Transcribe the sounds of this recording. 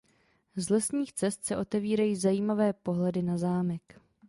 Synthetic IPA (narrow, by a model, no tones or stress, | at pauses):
zlɛsɲiːxt͡sɛst̪sɛʔo̞t̪ɛviːɾajiːzajiːmavɛːpo̞ɦlɛdɪnazaːmɛk